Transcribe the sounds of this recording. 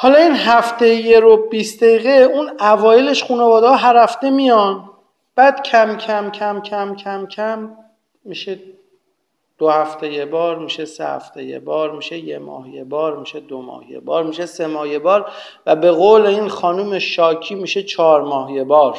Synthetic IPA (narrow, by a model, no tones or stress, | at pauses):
hɒːlɒinɦæft̪ejjeɾobisd̪eiːɣeunævɒːjeleʃxuːnevɒːd̪eɒɦæɾæfd̪e̞mijɒn | b̥æːd̪̥cʰæmcʲʰæmcʰæmcʲʰæmcʰæmcʰæmː | iʃe | d̪̥ohæft̪ʰejebɒːɾmiʃesḛhæ̰ft̪ejḛbɒːɾmiʃejemɒ̰ːhjebɒːɾmiʃed̪omɒ̰ːhjḛbɒːɾmiʃese̞mɒːhjebɒːɾ | væbe̞ɣoːleiːnxɒːnuːmeʃɒːcʰiːmiːʃe̞t͡ʃʰɒːɾmɒːhjebɒːɾ